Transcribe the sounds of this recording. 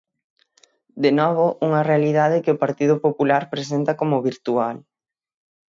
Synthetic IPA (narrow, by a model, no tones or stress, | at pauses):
d̪enɔβ̞ʊʔuŋɐrealiðað̞ɪkɪʊpaɾt̪iðʊpopulaɾpɾes̬ent̪ɐkomʊβiɾt̪ual